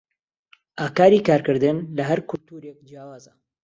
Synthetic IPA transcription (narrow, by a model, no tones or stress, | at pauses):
ʔaːkaːɾikaːɾkɨɾd̪ɨnlɐɦɐɾkʊlt̪uːɾek̚d͡ʒjaːwaːzɐ